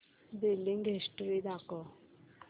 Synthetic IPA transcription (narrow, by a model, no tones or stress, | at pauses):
d̪eːlɪŋɡɦɪsʈɾid̪aːkɔ